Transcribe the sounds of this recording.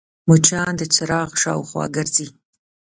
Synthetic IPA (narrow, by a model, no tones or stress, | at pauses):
mut͡ʃʰaːndɨt͡ʃʰɐɾaːʁʂa̰ːwχʷa̰ːɡɐrziː